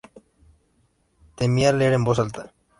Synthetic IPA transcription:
t̪emiaɾleɾembosalt̪a

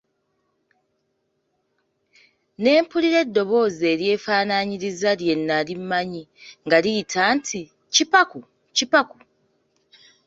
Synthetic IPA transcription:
ne̞ːmpuliɾe̞dːo̞βo̞ːze̞ːɾje̞ːfaːnaɲiɾizalje̞nːalimːaɲiŋɡalitʰaːntʰi | cipaku | cipaku

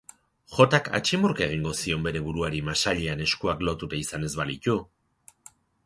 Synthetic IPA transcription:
xo̞t̪aka̰t͡ʃimoɾke̞ɣ̞iŋɡo̞sio̞mbe̞ɾe̞βuɾuaɾimasaʎeane̞skuaklo̞t̪ut̪aisane̞zβalic̪u

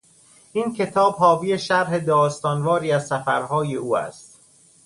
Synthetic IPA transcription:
ʔiːncʰe̞t̪ʰɒːbhɒːbiːjeʃæɾɦed̪ɒːst̪ɒːnvɒːɾiːæzsæfæɾɦɒːje̞uːæ̰st̪

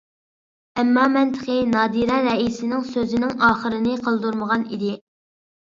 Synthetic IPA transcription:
ɛmːɑmɛnt̪ʰə̥qʰənɑːd̪iɾɑɾɛisɪnɪŋsøzɪnɪŋɑːχəɾɨnɪqʰəlˠd̪uɾməʁɑnḭd̪ɪ

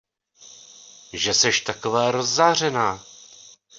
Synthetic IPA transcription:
ʒɛsɛʃt̪akovɛːɾozːaːr̝ɛnaː

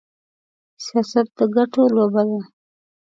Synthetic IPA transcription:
sijɑsat̪̚d̪əɡaʈolobad̪a

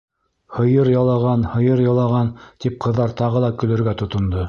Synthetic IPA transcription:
hɤ̆jɤɾjɑlˠɑʁɑnhɤ̆jɤɾjɑlˠɑʁɑnt̪ip̚qʰɤ̆ðːɑɾt̪ɑʁɤlˠɑkɵ̆lɘ̆ɾɡæt̪ŏt̪ŏnd̪o

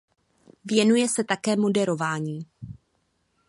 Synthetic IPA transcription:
vjɛnujɛsɛt̪akɛːmo̞dɛɾo̞vaːɲiː

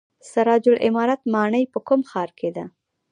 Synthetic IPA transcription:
saɾɑd͡ʒʊlʔɪmɑɾat̪mɑɳəjpəkumxɑɾkʰed̪a

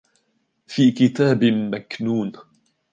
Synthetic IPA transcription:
fiːkɪt̪aːbmaknuːn

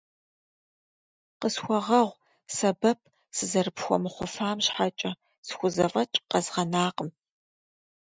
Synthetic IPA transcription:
qəsxʷɔʁɐʁʷ | sɐbɐp̚ʰ | sɨzɐrɨpxʷɔ̰mɨχʷʊfaːmɕħat͡ʃʼɐ | sxʷʊzɐvɐt͡ʃʼqɐzʁɐnaːqəm

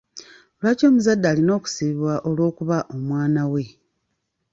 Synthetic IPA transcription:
olwaco̞ːmuzadːaːlino̞ːku̥siβiβwaʔo̞lwo̞ːkuβaʔo̞mwaːnawe̞

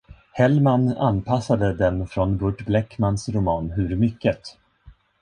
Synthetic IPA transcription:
hɛlmana̰npʰasːad̪əd̪ɛnfɾɔnbɵʈblɛkmansɾʊmɑːnɦɵɾmʏkːət̪

